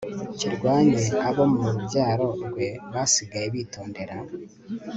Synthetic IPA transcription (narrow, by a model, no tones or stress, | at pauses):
ciɾɡwaːɲeaβo̞muɾubɟaːɾo̞ɾɡwe̞βasiɡajeβiːto̞ːnde̞ɾa